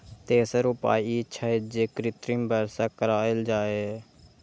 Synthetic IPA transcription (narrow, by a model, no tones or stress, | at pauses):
t̪eːsəɾupa̰ːiːɪʃʰaːed͡ʒeːkɾɪt̪ɾimbʱəɾsaːkəɾaːɪld͡ʒaːe